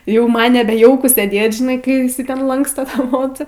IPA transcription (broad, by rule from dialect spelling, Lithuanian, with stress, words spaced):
jɛʊ ˈmɐn nʲɛˈbʲɛ ˈjɛʊkʊ sʲeːˈdʲeːt ʒʲɪˈnɐɪ kɐɪ ɪˈsɐɪ tʲɛn ˈlˠɐŋkstɐ ˈtɑː ˈmoːt͡sɑː